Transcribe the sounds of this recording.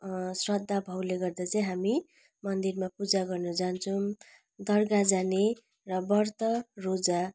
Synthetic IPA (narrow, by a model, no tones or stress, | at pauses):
srʌd̪ʱːabʱʌwleɡʌrd̪at͡saj̃ɦami | mʌnd̪irmapud͡zaɡʌrnʌd͡zant͡sʰʌm | d̪ʌrɡad͡zane | rʌbʌrt̪ʌrod͡za